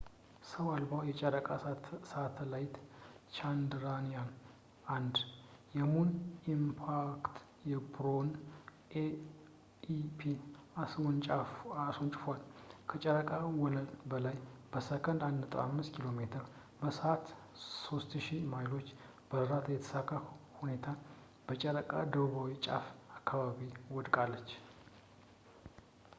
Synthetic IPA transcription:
səwalbawjɛt͡ʃʼəɾəkʼasat̪ʰlajt̪t͡ʃand̪ɾanijan | ʔand̪jɛmunimpʰakt̪ | jɛbɾo̞n | ʔe | ipʰiaswɔnt͡ʃʼaasont͡ʃʼɪfalkʰət͡ʃʼəɾəkʼawɔlənbəlajb̥əsəkʰənd̪and̪ət̪ʼə̰a̰mːɨskʰilo̞met̪ʰəɾ | bəsəat̪ | so̞st̪ʃimajlo̞t͡ʃː | b̥əɾat̪jɛt̪ʰə̥sakːahune̞t̪ʰa | b̥ət͡ʃʼəɾəkʼa̰d̪əβuβawit͡ʃʼa̰fakʰːaβaβiwɔd̪kʼalːət͡ʃː

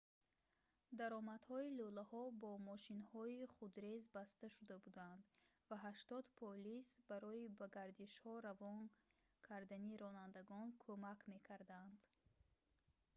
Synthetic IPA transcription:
d̪aɾɔmad̪hɔilulahɔbɔmɔʃinhɔiχud̪ɾezbast̪aʃud̪abud̪and̪vaɦaʃt̪ɔd̪pʰɔlisbaɾɔibaɡaɾd̪iʃhɔɾavɔn | kʰaɾd̪aniɾɔnand̪aɡɔnkʰomakme̞kʰaɾd̪and̪

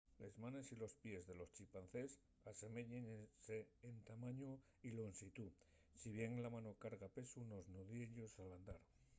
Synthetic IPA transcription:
lezmane̞silo̞spje̞zðe̞lo̞st͡ʃipanθe̞s | ase̞me̞ʎeŋseːnt̪amaɲo | ilonsit̪u | siβ̞je̞ŋlamano̞kaɾɣape̞suno̞znoðjeʎo̞saland̪aɾ

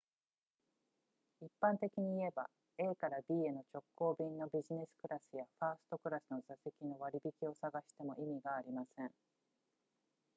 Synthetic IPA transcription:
ipːãnt̪e̞kʲiɲ̟iːe̞ba̰ | e̞ːkaɾabʲiːe̞no̞t͡ɕo̞kːo̞ːbʲĩnːo̞bʲiʑine̞sɨ̥kɯ̟ɾasɨjaɸaːsɨ̥t̪o̞kɯ̟ɾasɨno̞zase̞kʲino̞βaɾʲibʲikʲio̞saɡaɕi̥t̪e̞mo̞ʔimʲiɡaːɾʲimasẽ̞ɴ

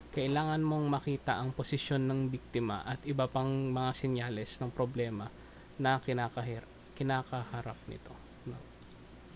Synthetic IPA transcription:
kɐʔɪlaːŋɐnmo̞ŋmɐkiːt̪ɐʔɐŋposɪsjo̞nːɐŋbik̚t̪ɪmɐ̰ʔɐt̪ʔɪbɐpɐŋmɐŋasɛnjalɛsnɐŋpɾoblɛːmɐ | nɐka | kɪnaːkɐhɐɾap̚nɪ̰t̪o̞̰ | no

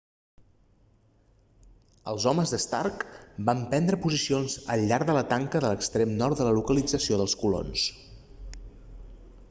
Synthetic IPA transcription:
əlˠzɔməzðəst̪a̰rkbampɛnd̪ɾəpuzisionzə̰ʎːaɾðələt̪aŋkəðələkst̪ɾemnɔɾt̪̚d̪ələlukəlid͡zəsioðəlˠskulo̰ns

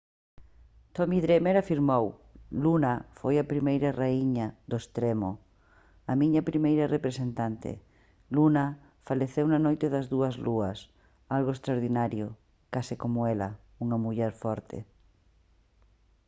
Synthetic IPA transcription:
t̪omiðɾemeɾafiɾmowlunɐfojapɾimejɾaraiɲaðoest̪ɾemo̰ | ɐmĩɲɐpɾimejɾɐrepɾesent̪ant̪ḛ | lunɐ | faleθewnanojt̪eðɐzðuɐzluɐs | alɣoest̪ɾaoɾðinaɾjo | kasikomoelɐ̰ | uŋɐmuʎɛɾfɔɾt̪ʰḛ

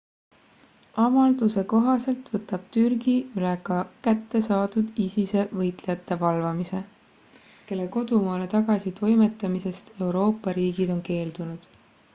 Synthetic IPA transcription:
ɑmɑld̪̥use̞ko̞ɦɑse̞lt̪vɤt̪ːɑb̥̚t̪yrɡ̥iylekɑkæt̪ːe̞sɑːd̪̥ud̪̥isise̞vɤjt̪ˑlejɑt̪ːe̞vɑlvɑmise̞ | ke̞lːe̞ko̞d̪̥umɑːle̞t̪ɑɡ̥ɑsit̪o̞jme̞t̪ːˑɑmise̞st̪e̞wɾo̞ːpːˑɑɾiːɡid̪̥o̞nke̞ːld̪̥unud̪̥

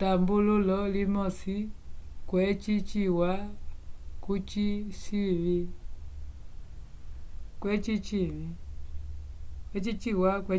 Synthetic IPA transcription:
tambululɔlimɔsikwɛt͡ʃit͡ʃiwa | kut͡ʃiʃivi | kwɛt͡ʃit͡ʃivi | kwɛt͡ʃit͡ʃiwakwɛ

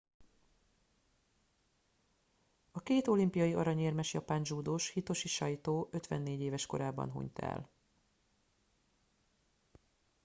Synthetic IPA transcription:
ɒkeːt̪olimpijɒjiɒɾɒɲeːrmɛʃjɒpaːnʒuːd̪oːʃhit̪o̞ʃiʃɒjt̪oːʔøt̪ʋɛnːeːɟeːvɛʃko̞̰ɾaːbɒ̰nɦṵɲt̪ɛ̰l

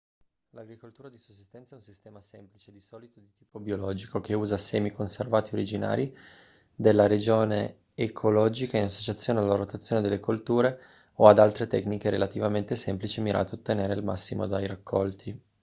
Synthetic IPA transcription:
laɡɾikolt̪uːɾad̪isosːist̪ɛnt̪saɛunsist̪ɛːmasɛmplit͡ʃed̪isɔːlit̪od̪it̪iːpobiolɔːd͡ʒikokeuːzasɛːmikonservaːt̪ioɾid͡ʒina̰ːɾi | d̪elːaɾed͡ʒoːneː | kʰolɔːd͡ʒikainasːot͡ʃat̪sːjoːnealːaɾot̪at̪sjoːned̪elːekolt̪uːɾe | oad̪alt̪ɾet̪ɛknikeɾelat̪ivament̪esɛmplit͡ʃimiɾʔa̰ːt̪oot̪ːeneːɾeilma̰sːimo̰d̪ajɾakʰːɔlt̪ʰi

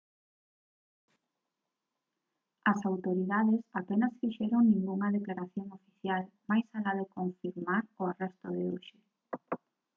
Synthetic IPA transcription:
ɐsawt̪oɾiðaðesapenɐsfiʃɛɾoŋnĩŋɡuŋɐðeklaɾaθjoŋofi̥θjal | majsalaðekoɱfiɾmaɾʊarɛst̪ʊðeuʃe

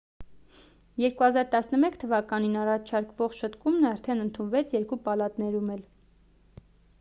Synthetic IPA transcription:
jɛɾkuhɑzɑɾt̪ɑsnəmɛkt̪ʰəvɑkɑninɑrɑt͡ʃʰɑɾkvɔʁʃət̪kumnəɑɾt̪ʰɛnənt̪ʰunvɛt͡sʰjɛɾkupɑlɑt̪nɛɾumɛl

